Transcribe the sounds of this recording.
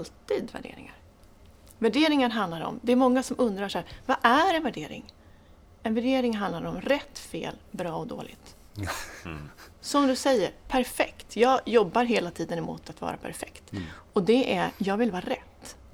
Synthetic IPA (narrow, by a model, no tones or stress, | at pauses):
lt̪iːd̪væ̰ɖḛːɾɪ̰ŋa̰ɾ | væɖeːɾɪŋaɾɦand̪laɾɔ̰md̪ɛæɾmɔŋːasɔmʔɵnd̪ɾaʂhæːɾvaʔæɾɛnvæɖeːɾɪ̰ŋ | ɛnvæɖeːɾɪŋɦand̪laɾɔmɾɛt̪ːfḛːlbɾɑːɔd̪o̰ːlɪ̰ɡt̪ | sɔmd̪ɵsɛjːəɾpʰæɾfɛkt̪ʰjɑːɡjɔbːaɾɦeːlat̪ʰiːd̪ənɛmʊ̰ːt̪ʰat̪vɑ̰ːɾa̰pʰæ̰ɾfɛkt̪ɔd̪ɛʔæjɑːɡvɪlvɑːɾaɾɛt̪ː